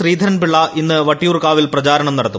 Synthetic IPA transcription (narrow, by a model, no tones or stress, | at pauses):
riːd̪ʱɐɾɐnpiɭːaːʔinːɨʋɐʈːijuːrkaːʋilprɐt͡ɕaːɾɐɳɐmnɐɽɐt̪ːu